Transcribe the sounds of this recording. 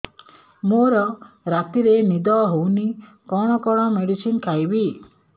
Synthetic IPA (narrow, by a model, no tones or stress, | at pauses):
moɾɔ | ɾat̪iɾenid̪ɔɦowni | kɔɽ̃ɔkɔɽ̃ɔmeɽisinkʰajbi